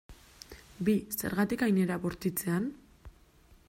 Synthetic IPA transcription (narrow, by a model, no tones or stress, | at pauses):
bise̞̰ɾɣat̪ikajne̞ɾaβoɾt̪it͡se̞an